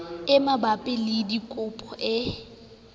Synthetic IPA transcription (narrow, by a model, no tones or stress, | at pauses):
ɪmabapʼɪlɪdikʼʊpʼɔʔɪ